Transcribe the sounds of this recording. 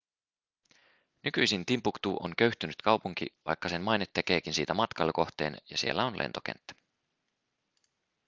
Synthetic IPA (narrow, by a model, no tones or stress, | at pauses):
nyk̟yjsint̪impukt̪uːʔo̰ŋkø̞ɥht̪ynyt̪kʰɑwpuŋk̟ḭʋɑ̰jkːɑsenmɑjnet̪ːe̞k̟e̞ːkinsiːt̪æmɑt̪kɑlːko̞ht̪eːnjɑsielːæo̞nlʔḛnt̪o̞kḛnt̪ːæ̥